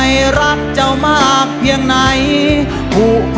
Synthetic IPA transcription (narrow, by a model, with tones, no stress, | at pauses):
jɾa˦˥t̪̚t͡ɕa˧wmaː˧ʔaː˨˩k̚pʰi˧əŋna˨˦˥j | hu˨˩